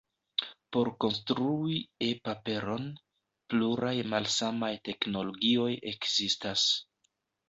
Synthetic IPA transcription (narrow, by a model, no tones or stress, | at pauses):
po̞ɾko̞nstɾuie̞pape̞ɾo̞n | pluɾajmalsamajte̞kno̞lo̞ɡio̞je̞kz̥istas